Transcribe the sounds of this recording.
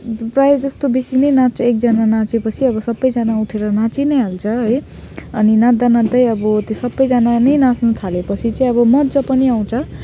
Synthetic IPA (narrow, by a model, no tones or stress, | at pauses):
prajed͡zʌst̪obisinʌjnat͡sʰʌek̚d͡zʌnanãt͡sepʌt͡sʰiʌbʌsʌbːʌjd͡zʌnauʈʰeɾʌnãt͡sinʌjɦalt͡sʰʌɦʌj | ʌninãd̪anad̪ʌjʌbʌt̪josʌbːʌjd͡zʌnanʌjnãsnut̪ʰalepʌt͡sʰit͡sʌĩʌbʌmʌd̪d͡zʌpʌniaw̃t͡sʰʌ